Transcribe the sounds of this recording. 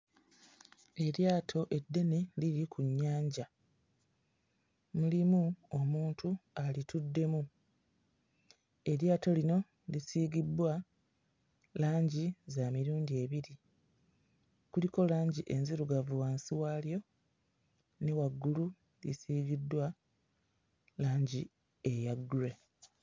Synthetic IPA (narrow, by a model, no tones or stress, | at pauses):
e̞ɾjaːtʰo̞ʔe̞dːe̞neliɾikʰuɲːaːɲɟa | mulimuo̞muːntʰualitudːe̞mu | e̞ɾjaːto̞lino̞ | lisiːɡidwa | laːɲɟizamiɾuːndie̞βiɾi | kuliko̞laːɲɟiʔe̞nziɾuɡavuwaːnsiwaːljo̞ | newaɡːulu | lḭsiːɡidːwa | laːɲɟi | ejaɡːule̞